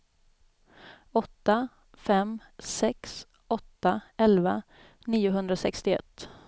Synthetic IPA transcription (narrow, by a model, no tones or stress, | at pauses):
ɔt̪ːa | fɛm | sɛks | ɔt̪ːaɛlva | niːʊɦɵnd̪ɾasɛkst̪ɪɛ̰t̪ː